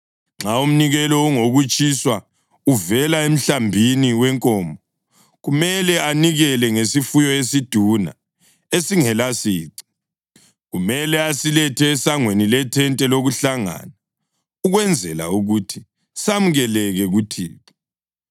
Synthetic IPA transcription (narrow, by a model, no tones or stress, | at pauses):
ŋ͡ǁaum̩niɣɛlɔuŋoɣut͡ʃʼiswa | uvɛlaem̩ɬambʱiniwɛŋkʼɔːmbʱɔ | ɣumɛlɛaniɣɛlɛŋesifujɔesid̥ʱuna̰ | esiŋɛlasiːǀi̥ | ɣumɛlɛasilɛtʰɛːsaŋwenilɛtʰɛntʼɛloɣuɬaŋa̰na | uɣwɛnd͡zʱɛla̰uɣutʰi | samuɣɛlɛɣɛɣutʰḭːta